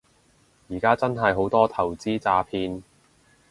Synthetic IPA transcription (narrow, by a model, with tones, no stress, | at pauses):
jiː˨˩kaː˥t͡sɐ˥nɦɐ˨jɦo˨˥wt̪ɔː˥t̪ʰɐ˨˩wt͡siː˥t͡saː˧pʰiː˧n